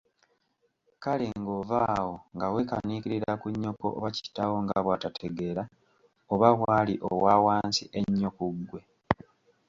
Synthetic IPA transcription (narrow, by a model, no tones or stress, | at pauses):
kaleŋɡo̞vaːwo̞ŋɡawe̞ka̰niːkiɾiɾakuɲːoko̰ʔoβaci̥tawo̞ŋɡaβwatatʰe̞ɡe̞ɾa | oβaβwaːliʔowaːwaːnsiʔe̞ɲːokuɡːwe̞